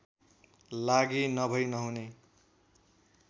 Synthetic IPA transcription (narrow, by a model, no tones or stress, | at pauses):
laɡinʌbʱʌjnʌɦune